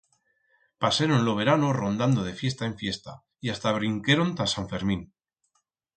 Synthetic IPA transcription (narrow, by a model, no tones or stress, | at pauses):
paseɾonlo̞βe̞ɾanoro̞nd̪and̪o̞ð̞e̞fje̞st̪ae̞ɱfje̞st̪a | iast̪aβ̞ɾiŋke̞ɾo̞nt̪asaɱfe̞ɾmĩn